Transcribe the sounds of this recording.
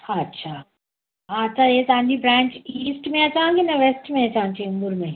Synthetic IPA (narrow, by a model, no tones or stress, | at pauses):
aɐtːʃʰa | ɦãɐtːʃʰajesãːnd͡ʒibɾɛ̃ːnt͡ʃiːsʈmẽɐt͡ʃãːɡinɐʋesʈmẽɐt͡ʃãːnt͡ʃeʊ̃mbʊɾmẽ